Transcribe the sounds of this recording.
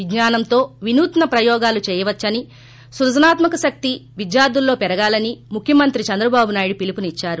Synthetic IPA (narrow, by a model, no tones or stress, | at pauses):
iɡɲaːnɐmt̪o̞ːʋinuːt̪ɐnɐpɾɐjɔːɡaːlut͡ʃɛːjɐʋɐt͡ʃːɐni | suɾɐd͡ʒɐnaːt̪mɐkɐʃɐk̚t̪iʋid̪jaːd̪ulːo̞ːpɛɾɐɡaːlɐnimukʰjɐmɐnt̪ɾit͡ʃɐnd̪ɾɐbaːbunaːjiɽupilipunit͡ʃːaːɾu